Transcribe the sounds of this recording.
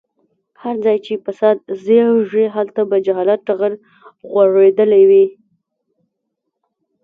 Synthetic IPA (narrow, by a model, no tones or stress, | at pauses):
haɾd͡zɑjt͡ʃepasɑd̪̚zewʒeɦalt̪abad͡ʒaɦɑlat̪̚ʈaɣəɾ | ɣwaʐed̪əlajwi